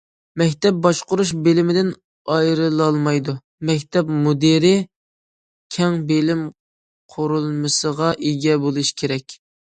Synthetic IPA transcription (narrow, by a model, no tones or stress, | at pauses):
mɛkʲt̪ɛp̚bɑʃqʊɾuʃbelɪmɪd̪ɪn | ɑjɾɨlˠɑlˠmɑjd̪u | mɛkʲt̪ʰɛpmud̪eɾɪ | kʲʰɛŋbelɪm | qʰoɾulˠmɨsəʁɑʔeɡʲɛbolˠuʃkʲʰeɾɛkʲ